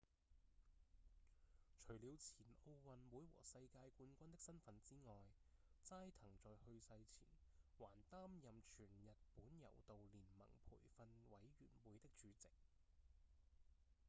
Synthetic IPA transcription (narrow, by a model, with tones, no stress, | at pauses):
t͡ʃʰɵ˨˩ɥliː˨˧wt͡sʰiː˨˩no˧wwɐ˨nwuː˨˥jwɔ̰ː˨˩sɐ˧jkaː˧jkuː˧nkʷɐ˥nt̪ɪ˥k̚sɐ˥nfɐ˨˧nt͡siː˥ŋɔː˨j | t͡saː˥jt̪ʰɐ˨˩ŋt͡sɔː˨jhɵ˧ɥsɐ˧jt͡sʰiː˨˩nwaː˨˩nt̪aː˥mjɐ˨mt͡ʃʰyː˨˩njɐ˨t̚puː˨˥njɐ̰˨˩wt̪o˨wliː˨˩nmɐ̰˨˩ŋpʰṵː˨˩jfɐ˧nwɐ˨˥jɥyː˨˩nwuː˨˥jt̪ɪ˥k̚t͡ʃyː˨˧t͡sɪ˨k̚